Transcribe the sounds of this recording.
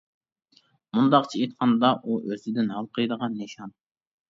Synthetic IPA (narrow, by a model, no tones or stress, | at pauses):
mund̪ɑqt͡ʃʰiet̪qʰɑnd̪ɑʔuʔøzɪd̪ɪnhɑlˠqʰəjd̪əʁɑnːeʃɑn